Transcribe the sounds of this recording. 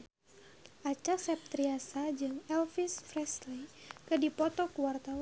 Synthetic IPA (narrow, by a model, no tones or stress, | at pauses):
ʔat͡ʃasɛp̚t̪ɾiasad͡ʒɨŋɛlfisfɾɛslikɨdipɔt̪ɔkuwart̪awa